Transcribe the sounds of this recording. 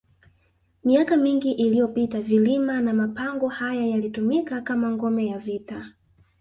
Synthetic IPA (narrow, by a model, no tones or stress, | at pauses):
miakamiŋɡiʔilijɔpitavilimanamapaŋɡɔhajajalitumikakamaŋɡɔmɛjavita